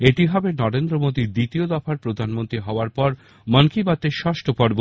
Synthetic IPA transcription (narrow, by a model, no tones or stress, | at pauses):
eʈiɦɔbenɔɾend̪ɾomod̪id̪it̪iod̪ɔfaɾpɾod̪ʱanmont̪ɾiɦɔoaɾpɔɾ | mənkibat̪eʃɔʃʈʰopɔɾbo